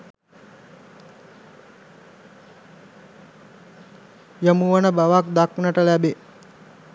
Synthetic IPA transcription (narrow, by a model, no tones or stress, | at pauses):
jəmuʋənəbaʋakd̪aknəʈəlæbe